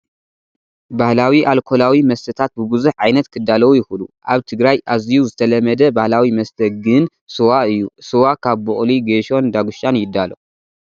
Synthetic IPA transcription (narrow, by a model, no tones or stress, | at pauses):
bahlawiʔalkʰo̞lawimɐst̪ʰɐt̪ʰat̪̚bɨbɨzuħʕajnɐt̪kʰɨd̪ːalɐwujɪxuluʔaβt̪ʰɨɡɾajʔazijuzɨt̪ʰɐlɐmɐd̪ɐbahlawimɐst̪ʰɐɡɨn | sɨwaɨjːusɨwakʰaβbuχʼliɡeʃo̞nd̪aɡuʃt͡ʃanjɪd̪ːalɐ